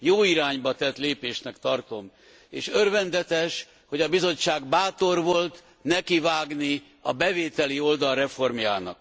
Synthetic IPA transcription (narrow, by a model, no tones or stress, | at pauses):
joːiɾaːɲbɒt̪ɛt̪leːpeːʃnɛkt̪ɒrt̪o̞m | ḛːʃørvɛnd̪ɛt̪ɛʃ | ho̞ɟɒbizo̞t͡ʃːaːɡbaːt̪o̞rvo̞lt̪ | nɛkivaːɡni | ɒbɛveːt̪ɛlio̞ld̪ɒlrɛfo̞rmjaːnɒ̰k